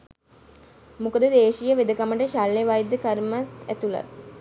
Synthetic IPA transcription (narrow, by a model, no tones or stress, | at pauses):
mukəd̪əd̪eːʃijəʋed̪əkaməʈəʃalːeʋajd̪ːəkaɾmat̪æt̪ula̰t̪̚